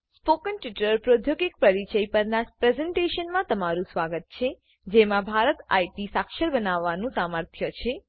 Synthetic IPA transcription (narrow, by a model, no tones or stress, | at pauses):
spokənʈiʈləɾpɾod̪ʱjoɡɪk̚pɾəɾit͡ʃəjpəɾnapɾɛzɛɳʈeʃənmãt̪əmaɾũsʋaɡət̪̚t͡ʃʰe | d͡ʒemãbʱaɾət̪a̰jʈisakʃəɾbənaʋːanũsaməɾt̪ʰjət͡ʃʰe